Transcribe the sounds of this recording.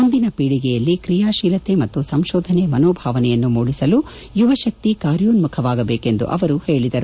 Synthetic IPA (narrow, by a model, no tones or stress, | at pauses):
mund̪inɐpiːɽiɡɛjɐlːikɾijaːʃiːlɐt̪emɐt̪ːusɐmʃɔːd̪ʱɐnemɐnɔːbʱaːʋɐnɛjɐnːumuːɽisɐlu | juʋɐʃɐk̚t̪ikaːɾjuːnmukʰɐʋaːɡɐbeːke̞nd̪ṵʔɐʋɐɾuhe̞ːɭid̪ɐɾu